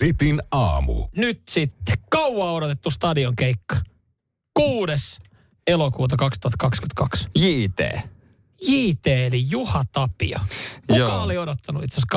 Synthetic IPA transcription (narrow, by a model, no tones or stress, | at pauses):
sit̪inɑːmṵnyt̪sit̪ːe̥kɑwwɑːoɾot̪et̪ːust̪ɑdioŋkeikːɑ̥ | kuːdes | elokuːt̪̬ɑkɑkst̪uhɑt̪ːkɑkskye̥t̪kɑksjiːt̪ḛː | jiːt̪eːelijuhɑt̪ɑpḭɑ̰okɑoliodot̪ːɑnṵḭt̪sesk